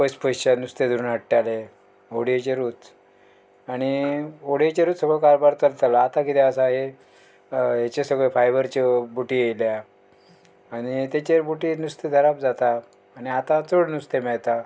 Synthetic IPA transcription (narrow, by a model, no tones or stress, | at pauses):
pəspət͡ɕanust̪ed̪ʱuɾuːnɦəʈːale | oɽijet͡ɕeɾuːt͡s | aɽ̃ioɽiet͡ɕeɾuːt̪səɡɭokaɾbaɾt͡səlt̪alaːt̪ãkit̪eəsaɦe | ɦet͡ɕesəɡɭefajbəɾt͡ɕebuʈijejlja | aɽ̃it̪jat͡ɕebuʈinust̪ed̪ʱəɾap̚d͡zat̪aː | ɽ̃iat̪at͡soɽnust̪emɛɭt̪a